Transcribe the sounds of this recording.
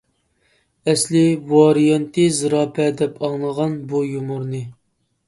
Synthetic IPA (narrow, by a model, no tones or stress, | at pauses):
ɛslɪvɑɾijɑnt̪ʰɨzɨɾɑːpʰɛd̪ɛpʰɑŋlˠəʁɑnbujumuɾnɨ